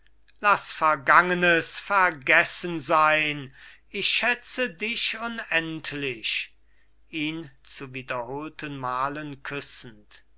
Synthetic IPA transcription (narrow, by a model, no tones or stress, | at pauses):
lasfɛɐɡaŋənəsfɛɐɡɛsənzaɪn | ɪçʃɛt͡sədɪʃʊnɛntʰlɪʃ | ʔiːnt͡suviːdɐhoːltənmaːlənkʰʏsn̩t